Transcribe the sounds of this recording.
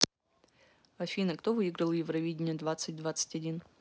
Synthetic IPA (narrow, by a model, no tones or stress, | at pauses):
ɐfʲinəkt̪ovɨiɡɾəlˠəjɪvɾɐvʲidʲɪnʲɪəd̪vat̪sɨt̚ʲd̪vat̪sɨ̥tʲɐdʲin